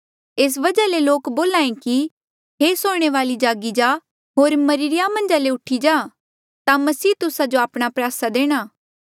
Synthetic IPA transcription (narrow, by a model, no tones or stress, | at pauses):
eːs̬ʋɐd͡ʒaleloːkboːlãːẽki | ɦeːsoːɽ̃eʋaːlid͡ʒaːɡid͡ʒaː | ɦoːɾmɐɾiɾɪjamɐ̃nd͡ʒaleʊʈʰid͡ʒaː | t̪amɐsiːt̪ʊsad͡ʒoaːpɽ̃apɾjaːsad̪eːɽ̃aː